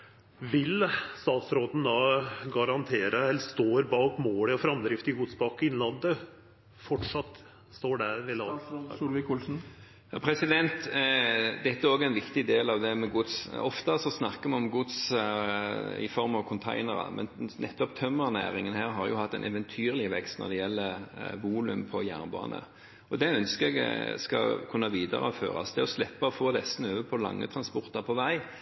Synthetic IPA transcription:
ʋɪlst̪ɑːt̪sɾoːd̪n̩d̪ɑːɡɑɾɑnt̪ʰeːɾəɛlst̪oːɾbɑːkmoːləɔfɾɑmd̪ɾɪft̪ɪɡʊd̪sbɑkɪnlɑnd̪ə | fɔʈʂɑt̪ː | st̪oːɖæʋɪlsuːlʋɪkulsn̩ | jɑːpʰɾɛsɪd̪ɛnt̪ | d̪ɛt̪ːəæɾoːɡæɪnʋɪkt̪ɪd̪eːlɑʋd̪ɛmɛɡʊd̪sɔft̪əsɔsnɑkːəmɛɔmɡʊd̪s | ɪ̰fɔɾmɑʋkʰʊnt̪ʰæ̰ɪnəɾɑ̰mɛ̰nnʔɛt̪ːɔpt̪ʰœmːəʁnæ̰ːɾɪŋːənhæːɾɦɑɾjʊhɑt̪ːɛɪnʔɛ̰ʋɛnt̪ʰyːɾlɪʋɛkst̪nɔ̰ɾd̪ɛjɛlːəʋuːlʉ̰mpʰɔjæ̰ːnbɑ̰ːnə̰ | ɔd̪ɛœnskəɾɛɡskɑ̰kʰʉnːɑʋiːd̪ə̰ɾəɔfø̰ːɾɑ̰sd̪ɛɔslɛpːɑɔfoːd̪ɛst̪n̩øːʋəpʰɔlɑ̰ŋːə̰t̪ʰɾɑnspɔʁt̪ɑʁpʰɔʋæɪ

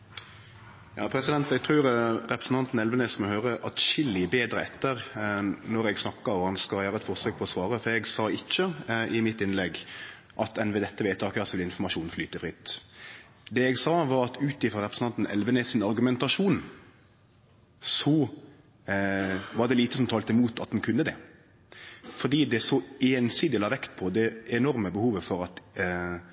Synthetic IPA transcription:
jɑ̰ːpʰɾɛsɪd̪ɛnt̪ɛɡ̚t̪ʰɾʉːɾʁɛpɾəsn̩t̪ɑnt̪n̩ɛlʋənɛːsmɔhøːɾəʔɑt̪ʃɪlːɪbeːd̪ɾəɛt̪ːəɾnɔɾɛɡsnɑkːɑɔhɑnskɑljæːɾəɛt̪fɔʁsøːk̚pʰɔɔsʋɑːɾəfɔɾɛɡsɑːɪçːəʔɪmɪt̪ːɪnlɛɡ | ʔɑt̪ɛnʋɛd̪ɛt̪ːəʋeːt̪ʰɑːkəɑsɪlɪnfɔmɑʃuːnflyːt̪əfʁɪt̪ː | d̪ɛɛɡsɑːʋɑɾɑt̪ʉːt̪ɪfɾɑɾɛpɾsnɑnt̪n̩ɛ̰lʋənɛsɪnɑɾɡʉmɛnt̪ɑʂuːn | sɔ | ʋɑʁd̪ɛliːt̪əsɔmt̪ʰɑːlt̪ɛmuːt̪ʰɑt̪̚d̪ɛnkʰʉnːəd̪ɛ | fɔd̪iːd̪ɛsɔeːnsiːd̪ɪlɑːʋɛkt̪pʰɔd̪ɛɛnɔɾməbəhuːʋəfɔɾɑt̪

